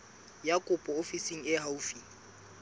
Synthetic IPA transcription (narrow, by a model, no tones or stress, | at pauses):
jakʼʊpʼɔofisiŋ̩ɪɦaufiŋ̩